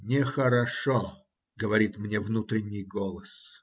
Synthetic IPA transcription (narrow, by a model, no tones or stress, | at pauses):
nʲɪxəɾɐʂo | ɡəvɐɾʲit̪mnʲevnut̪ɾʲɪnʲːɪjɡolˠəs